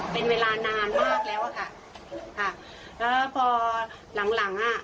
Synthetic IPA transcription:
pe˧nweː˧laː˧naː˧nmaː˥˩k̚lɛː˦˥wʔa˨˩kʰa˥˩ | kʰa˥˩ | ʔɤː˦˥pʰɔː˧ | la˩˦ŋla˩˦ŋʔa˧˩

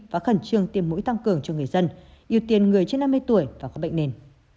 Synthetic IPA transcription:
vaː˨˦xə˧˩nt͡ɕɨ˧əŋt̪i˧əmːṵ˧˥jt̪a˧ŋkɨ˨˩əŋt͡ɕɔ˧ŋɨ˨˩əjzə˧n | ʔi˧˩ə˩wt̪i˨˩ənŋɨ˨˩əjt͡ɕe˧nːa˧mː˧jt̪u˧˩əjvaː˨˩kɔ˨˦˥ɓ̰jŋ̟ne˧n

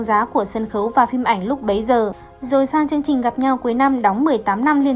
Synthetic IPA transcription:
ŋzaː˨˦ku˧˩əsə˧˩nxə˨˦wvaː˨˩fi˧mʔa˧˩jŋ̟lʊ˦˥k͡p̚ɓə˨˦jzəː˨˩ | zo˨˩jsaː˧ŋt͡ɕɨ˧əŋt͡ɕï˨˩ŋ̟ɣa˨˩p̚ɲa˧wku˨˦jna˧mɗɔ˨˦wŋ͡mmɨ˨˩əjt̪aː˨˦mna˧mli˧ən

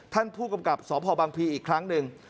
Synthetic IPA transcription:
t̪ʰa˥˩npʰuː˥˩ka˧mka˨˩p̚sɔː˩˦pʰɔː˧baː˧ŋpʰiː˧ʔiː˨˩kʰɾa˦˥ŋnɯ˨˧ŋ

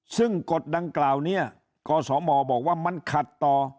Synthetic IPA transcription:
sɯ˥˩ŋko˨˩t̪̚da˧ŋklaː˨˩wni˥˩ɐ | kɔː˧sɔː˩˦mɔː˧bɔː˨˩k̚waː˥˩ma˧˥nkʰa˨˩t̪ːɔː˨˩

